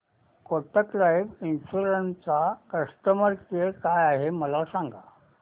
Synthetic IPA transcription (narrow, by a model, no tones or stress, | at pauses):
koʈ̪əklajʋinsuɾənt͡sakəst̪əməɾkekajaɦeməlasãŋɡa